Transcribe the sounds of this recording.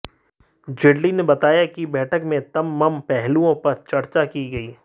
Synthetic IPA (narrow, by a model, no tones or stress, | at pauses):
d͡ʒɪɽlinebɐt̪aːjakibɛːʈʰəkmẽt̪ɐmːɐmpɛɦluõpɐɾt͡ʃɐɾt͡ʃakiɡɐiː